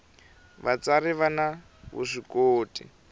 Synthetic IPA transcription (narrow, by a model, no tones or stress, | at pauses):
βat͡saɾiβana | βṵʂikoːtʼḭ